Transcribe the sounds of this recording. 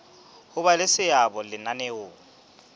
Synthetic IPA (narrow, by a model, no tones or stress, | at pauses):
hʊbalɪsɪabɔlɪnanɛoːŋ̩